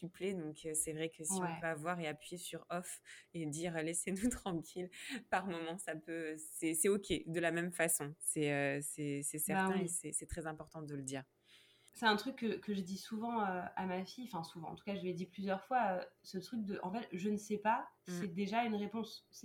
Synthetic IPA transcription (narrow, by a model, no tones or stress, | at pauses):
sypled̪ɔ̃kʰøsɛvʁɛkʰəsiɔ̃ɛpøavwaʁeapɥijesyʁɔfed̪iʁalesenut̪χɑ̃kʲʰilpaʁmɔmɑ̃sapøsɛsɛɔkʲed̪əlamɛmfasɔ̃sɛøsɛsɛsɛʁt̪ɛ̃esɛsɛt̪χɛzɛ̃pɔʁt̪ɑ̃d̪ələd̪iːʁ | sɛɛ̃t̪χykːəkːəʒəd̪isuvɑ̃øamafiɑ̃fɛ̃suvɑ̃ɑ̰̃t̪u̥kaʒəved̪iplyzjœʁfwaøsət̪χyk̚d̪əʔɑ̰̃fɛt̪ʒənəsɛpasɛd̪eʒaynʁepɔ̃s